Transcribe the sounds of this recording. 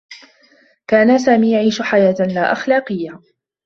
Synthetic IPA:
kaːnas̬aːmiːjaʕiːʃʊħajaːt̪laːʔɑxlaːqɨjːa

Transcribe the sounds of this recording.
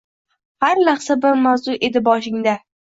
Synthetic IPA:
haɾlaχsabɪɾmawzʊʔe̞d̪ɪbɒʃɪŋd̪a

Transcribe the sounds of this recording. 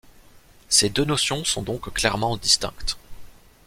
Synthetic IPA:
sed̪ønɔsjɔ̃sɔ̃d̪ɔ̃kklɛʁmɑ̃d̪ist̪ɛ̰̃kt̪

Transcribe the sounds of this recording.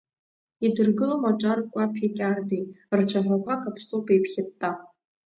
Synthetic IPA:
idɨrɡɨlomaʈ͡ʂʼarkʷʼapʰikʲʼardijrt͡ʃʷʰaħʷakʷʰakʰʼapʰsʼopejpʰχʲɪtʼːa

